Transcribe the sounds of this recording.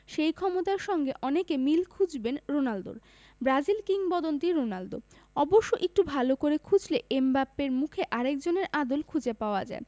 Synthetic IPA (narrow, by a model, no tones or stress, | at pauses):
ʃejkʰɔmot̪aeɾʃɔŋɡeʔɔnekemilkʰud͡ʑbenɾonald̪o̰ɾ | bɾad͡ʑilkiŋbɔd̪ont̪iɾonald̪o̰ | ɔboʃːoʔek̚ʈubʱalokoɾekʰud͡ʑleʔembapːeɾmukʰeʔaɾek̚d͡ʑoneɾad̪olkʰud͡ʑepaoad͡ʑa̰e